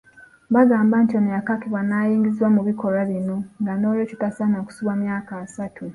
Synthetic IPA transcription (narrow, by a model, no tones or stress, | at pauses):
βazaːmbantonijakakiβwanajiːŋɡiziwamuβiko̞ɾaβinoŋɡanoːɾocitasanaku̥suβamjaːkaːsatʰu